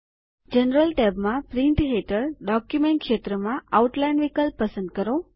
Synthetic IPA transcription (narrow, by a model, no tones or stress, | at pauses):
d͡ʒənɾəlʈɛbmãpɾĩɳʈɦeʈəɾɖɔkjumeɳʈ̚kʃet̪ɾəmãʔauʈlainʋikəlpːəsə̃nd̪̚kəɾo